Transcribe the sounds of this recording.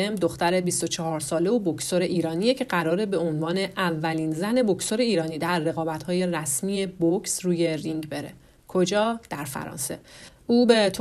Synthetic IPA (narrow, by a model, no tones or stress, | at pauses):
emd̪oxt̪æɾe̞bist̪o̞t͡ʃʰɒɦɒːɾsɒːle̞obokʰsoɾe̞ʔiːɾɒːnije̞cʰe̞ɢæɾɒːɾe̞be̞o̞nvɒːne̞ʔævːæliːnzæne̞bocso̞ɾe̞iːɾɒːniːd̪æɾːe̞ɣɒːbæt̪hɒːje̞ræsmije̞bocʰsruːje̞riŋɟbe̞ɾḛ | kʰo̞d͡ʒɒːd̪̥æɾfæ̰ɾɒ̰ːnse̞̰ʔuːbet̪ʰ